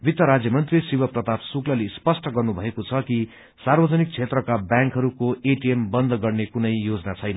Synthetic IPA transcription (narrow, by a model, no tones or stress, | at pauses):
bit̪jʌɾad͡zjʌmʌnt̪risibʌprʌt̪apsuklʌlespʌsʈʌɡʌrnubʱʌekot͡sʰʌki | sarbʌd͡zʌnik̚t͡sʰet̪rʌkabjãŋkɦʌɾukoeʈiembʌnd̪ʱɡʌrnekunʌjjod͡zʌnat͡sʰʌjnʌ